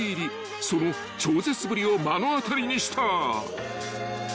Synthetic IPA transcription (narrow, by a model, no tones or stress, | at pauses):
iɾʲi | so̞no̞ | t͡ɕoːze̞t͡sɨbɯɾʲio̞manoat̪aɾʲiɲ̟iɕi̥t̪ʰa